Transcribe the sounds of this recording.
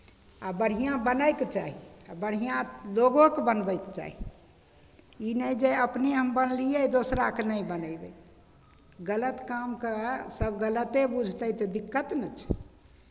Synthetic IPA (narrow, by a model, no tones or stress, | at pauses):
abəɽ̤ijãbənəjket͡ʃaɦiabəɽ̤ijãloɡokebənbəjkt͡ʃa̰ɦi | inəjd͡ʒeəpneɦəmbənlijəd̪osɾakenəibənəbe | ɡələt̪kamkesəbɡələt̪ebud͡ʒʱt̪ət̪ɔd̪ikːət̪nət͡ʃʰ